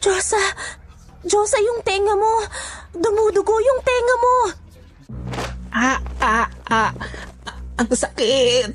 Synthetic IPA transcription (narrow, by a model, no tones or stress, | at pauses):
d͡ʒosɐ | d͡ʒoːsɐjʊŋt̪ɛːŋɐmod̪ʊɡod̪ʊɡojʊŋt̪ɛːŋɐmo | ʔaʔaʔa | ʔɐŋsɐkɪt̪̚